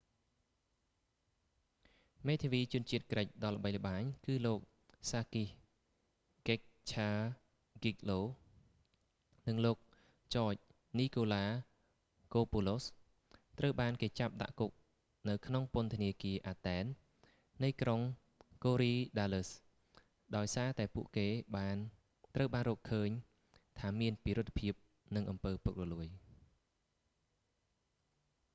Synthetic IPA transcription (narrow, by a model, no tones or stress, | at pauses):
meːt̪ʰeʋiːt͡ɕŭənt͡ɕiət̪̚krəc̚ɗɑlːə̆ɓəjlə̆ɓaːɲkɨːloːk̚ | saːkih | kek̚t͡ɕʰaː | ɡik̚loː | nɨŋloːk̚ | t͡ɕɑːc̚ | niːkoːlaː | koːpulos | t̪rəwɓaːnkeːt͡ɕap̚ɗa̰ʔkuk̚ | nɨwkʰnoŋpʊ̆ənt̪ʰəniəkiəʔaːt̪ɛːnː | ɨjkroŋ | koːɾiːɗaːləs | ɗaɔjsaːt̪aɛpuəʔkeːɓaːn | t̪rəwɓaːnrɔːkʰəːɲ | t̪ʰaːmiənpiːɾʊt̪̚ʰːpʰiəp̚ | nɨŋʔɑmpəːpuk̚rɔluəj